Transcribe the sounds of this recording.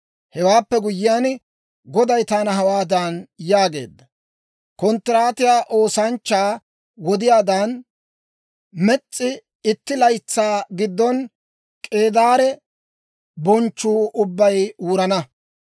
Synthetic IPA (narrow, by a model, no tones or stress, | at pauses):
hɛwaːpːɛɡʊjːɪjaːn | ɡɔd̪ɐjt̪aːnɐɦɐwaːd̪ɐnjaːɡe̞̰ːd̪ːɐ | kɔnt̪ːɪɾaːt̪ɪjaːʔo̞ːsɐnt͡ʃːaː | wɔd̪ɪjaːd̪an | mɛt͡sʼːɪ | ɪt̪ːɪlɐjt͡sːaːɡɪd̪ːɔn | kʼe̞ːd̪aːɾɛ | bɔnt͡ʃːuːʔʊbːɐjuːɾɐnɐ